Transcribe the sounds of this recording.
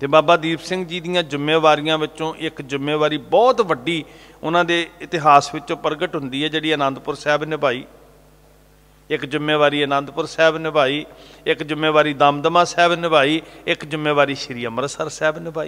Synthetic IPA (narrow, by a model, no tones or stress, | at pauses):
t̪eːbaːbaːd̪iːpsɪ̃ŋɡd͡ʒiːd̪ɪjãːd͡ʒɪmːeːʋaːɾɪjãːʋɪt͡ʃõːʔɪkd͡ʒɪmːeːʋaːɾiːbɔːt̪ʋəɖiː | ʊnãːd̪eːɪt̪ɪɦaːsʋɪt͡ʃõːpəɾɡəʈɦʊnd̪iːɦɛːd͡ʒeːɽiːənãːnd̪pʊɾsɛːbnɪbaːiː | ɪkd͡ʒʊmːeːʋaːɾiːənãːnd̪pʊɾsɛːbnɪbʱaːiːɪkd͡ʒʊmːeːʋaːɾiːd̪aːmd̪əmãːsɛːbnɪbʱaːiːɪkd͡ʒʊmːeːʋaːɾiːʃɪɾiːəməɾsəɾsɛːbnɪbʱaːiː